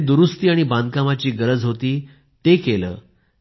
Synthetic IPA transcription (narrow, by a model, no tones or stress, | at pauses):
d̪uɾust̪iːaɽ̃ibãnd̪̚kamat͡ɕiːɡəɾəd͡zɦot̪iː | t̪ekelə̰ː